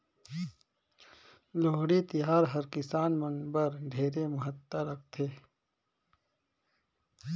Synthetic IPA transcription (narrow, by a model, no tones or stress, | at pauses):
loːɦɽit̪ɪɦaːɾɦɐɾkɪsaːnmə̃nɡbəɾɖʱeːɾemɐɦət̪ːəɾɐkʰt̪ʰeː